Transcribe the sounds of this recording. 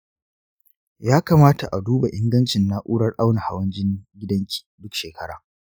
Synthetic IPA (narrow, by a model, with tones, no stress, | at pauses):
jaː˦kaː˨maː˦ta˨ʔa˨duː˦ba˨ʔɪ˦ŋɡɐ˦nt͡ʃɪ˨nːa˦ʔuː˦ɽɐ˦rʔa˦wna˨ha˨wɐ˦nd͡ʒɪ˦ŋɡʲɪ˦dɐ˦ŋkʲʰi̥ː˨dʊ˦kʃeː˨kʰɐ˦ɽa̰ː˨